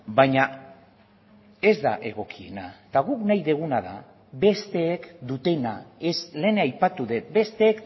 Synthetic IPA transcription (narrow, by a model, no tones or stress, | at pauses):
bajɲa | e̞zd̪a̰ʔe̞ɣ̞o̞kʰie̞̰nat̪aɣuknajðe̞ɣ̞unað̞a̰ | βe̞st̪e̞ːkd̪ut̪e̞naesle̞ːnajpat̪uðe̞t̪̚be̞st̪e̞ːk